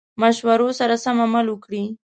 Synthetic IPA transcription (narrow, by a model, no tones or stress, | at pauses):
maʃwaɾosaɾasamamalwəkɽi